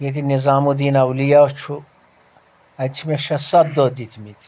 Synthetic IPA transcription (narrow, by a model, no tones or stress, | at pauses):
jet̪̬ʰinizaːmud̪iːnɐwlijaot͡ʃʰu | ɐt͡ʃʰimeʃɐsɐb̚d̪od̪it̪ʰmit̪ʰi̥